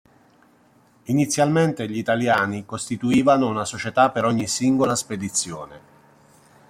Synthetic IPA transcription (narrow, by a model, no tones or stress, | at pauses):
init̪sːjalment̪eʎit̪aljaːnikost̪it̪uiːvanounasot͡ʃet̪apːeɾɔɲːisiŋɡolasped̪it̪sːjoːne